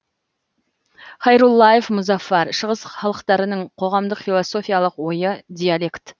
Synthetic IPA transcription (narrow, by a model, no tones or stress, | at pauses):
χɑjɾulˠːɑjefmʊzɑfːɑɾʃəʁəsχɑlˠəqt̪ɑɾənəɴqʰo̞ʁɑmd̪əqfilˠoso̞fʲijalˠəqwo̞jəd̪ijalʲe̞kt̪